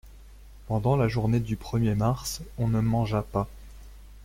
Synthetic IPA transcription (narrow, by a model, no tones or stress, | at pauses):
pɑ̃d̪ɑ̃laʒuʁned̪ypχəmjemaʁsɔ̃nəmɑ̃ʒapa